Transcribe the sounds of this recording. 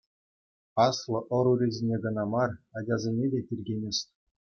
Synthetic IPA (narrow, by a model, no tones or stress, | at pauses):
ɑslˠɤ̆ʔɤ̆ɾuɾʲezʲenʲeɡɤ̆nɑmɑrɑd͡ʑʲɑzʲenʲedʲetʲirʲɡʲenʲesʲtʲ